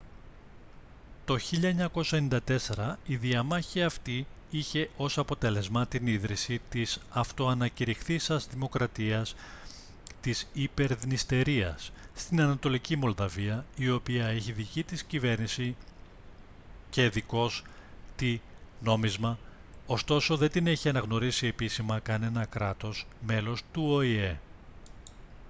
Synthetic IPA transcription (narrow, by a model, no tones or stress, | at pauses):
t̪o̞çiʎɐeɲɐko̞sɐenind̪ɐt̪e̞se̞ɾɐiðiɐmɐçiɐft̪i | içe̞ʔo̞sɐpo̞t̪e̞le̞zmɐt̪iniðɾisit̪isɐft̪o̞ɐnɐciɾixθisɐzðimo̞kɾɐt̪iɐs | t̪isipe̞ɾðnist̪e̞ɾiɐ̰sːt̪inɐnɐt̪o̞licimo̞lðɐviɐio̞piɐeçiðicit̪iscive̞ɾnisi | ce̞ðiko̞st̪i | no̞mizmɐ | ost̪o̞so̞ðe̞d̪ine̞çiɐnɐɣno̞ɾisie̞pisimɐkɐne̞nɐkɾɐt̪o̞sme̞lo̞st̪uo̞ie̞